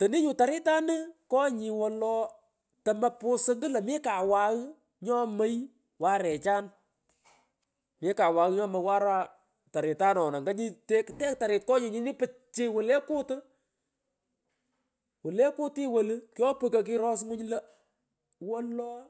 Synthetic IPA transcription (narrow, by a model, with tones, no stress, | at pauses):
tɐ˨ni˦ɲu˨ta˨ɾɪ˦ta˦nɨ˦kɔ˦ɲɪ˨wɔ˨lɔ˧ | tɐ˨mɐ˦pʊ˦sɨ˦ŋɡɨ˦lɐ˨mɪ˦ka˨wa˨ɣ | ɲɔ˦mə˦j | wa˦ɾɛ˨t͡ʃaː˦n | mɪ˦ka˨wa˨ɣɲɔ˦mə˧jwa˦ɾa˦ | ta˨ɾɪ˨ta˦nɔ˨na˨ŋɡa˦ɲi˦te˦ktɛ˦k̚ta˨ɾɪ˨t̚kɔ˦ɲɪ˨ɲɪ˦ni˦pɨ˨˦t͡ʃɪ˦wʊ˨le˦kʊ˦tɨ˦ | wʊ˨le˦kʊ˦ti˦wə˨lkjɔ˦pɨ˨kɐ˨k̬ɪ˧ɾɔ˦s̬ŋʊ˦ɲlɐ˦ | wɔ˦lɔː˦